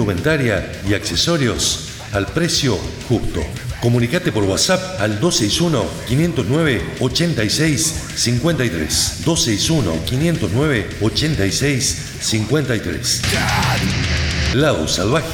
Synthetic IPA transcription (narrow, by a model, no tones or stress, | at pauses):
ument̪aɾja | iaksesoɾjos | alpɾesjoxupt̪o̰ | ko̞mũnikat̪epoɾɣwasap̚ald̪osejsuno̰kinje̞nt̪oznweβeot͡ʃent̪ajsejsː | iŋkwe̞nt̪ajt̪ɾḛsd̪osejsuno̰kinje̞nt̪oznweβe | ot͡ʃent̪ajsejsː | iŋkwe̞nt̪ajt̪ɾḛs | laðo̰salβax